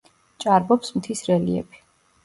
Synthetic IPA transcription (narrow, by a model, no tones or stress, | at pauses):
t͡ʃʼaɾbɔpsmt̪ʰisɾɛlḭɛ̰bi̥